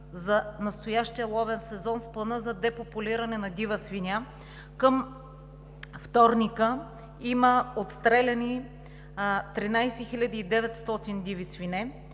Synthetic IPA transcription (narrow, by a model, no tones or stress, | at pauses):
zɐnɐst̪ojaʃt̪ijəlˠɔvɛnsɛzɔnsplˠɐnɤzɐd̪ɛpopʊlʲiɾɐnɛnɐd̪ivəsvinʲa | kəm | ft̪ɔɾnikə | iməot̪st̪ɾɛlʲɐni | t̪ɾinajsɛxilʲad̪iːd̪ɛvɛt̪st̪ɔt̪ind̪ivisvinɛ